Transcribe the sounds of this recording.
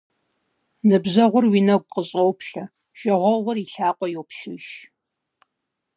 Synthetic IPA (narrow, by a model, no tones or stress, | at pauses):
nɨbʑɐʁʷʊrwiːnɐɡ̚ʷʼqəɕʼowpʰɬɐ | ʃɐʁʷɔʁʷʊriɬaːqʷʼɔjowpɬɨʃ